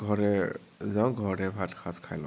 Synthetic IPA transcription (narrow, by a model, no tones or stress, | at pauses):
ɡʱɔɹɛ | zãw̃ɡʱɔɹɹɛbʱatxʰaskʰajlɔ̰̃